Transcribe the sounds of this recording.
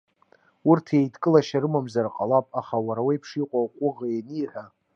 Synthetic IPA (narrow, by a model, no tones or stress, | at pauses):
urtʰejtʰʼkʼɨlaʃaɾɨmamzarqʼalapʼaχawaɾawajpʰʂiqʷʼawqʷʼʊʁaeniħᶣa